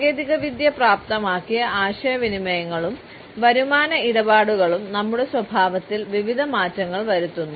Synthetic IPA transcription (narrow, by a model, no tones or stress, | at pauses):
ɡeːd̪iɣɐʋid̪jɐpraːp̚t̪ɐmaːkːijɐʔaːɕɐjɐʋinimɐjɐŋːɐɭum | ʋɐɾumaːnɐiɽɐbaːɽuɣɐɭumnɐmːuɽe̞swɐbʱaːʋɐt̪ːilʋiʋid̪ʱɐmaːtːɐŋːɐɭʋɐɾut̪ːunːu